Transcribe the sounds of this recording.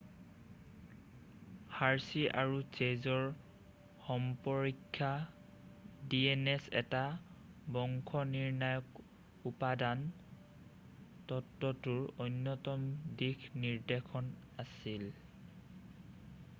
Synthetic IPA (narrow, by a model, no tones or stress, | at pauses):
haɹsiʔa̰ɹut͡ʃezɔɹ | xɔmpɔɹikʰːa | diɛnɛsɛ̰tabɔŋkʰɔniɹnajɔk | upadan | tɔtːɔtʊɹojnːɔtɔmdikniɹdekʰɔnasil